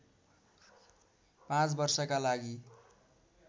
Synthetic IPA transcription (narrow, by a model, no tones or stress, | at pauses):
pãt͡sbʌrsʌkalaɡi